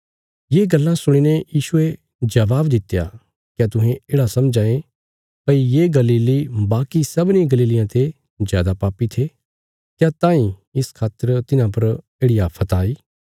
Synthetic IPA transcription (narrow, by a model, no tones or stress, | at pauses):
jeːɡɐlːãsʊɽ̃iːnejiːʃʊe | d͡ʒɐʋaːbd̪ɪt̪ja̰ | kjat̪ʊ̃ɦẽeːɽasɐmd͡ʒãːẽ | pɐijeːɡɐliːlibaːkisɐbnĩɡɐliːlɪjãt̪ʰe | zjaːd̪apaːpit̪ʰe | kjat̪ãːĩɪskʰaːt̪əɾt̪ɪnãp̬ɐɾ | eːɽɪjapʰɐt̪aːiː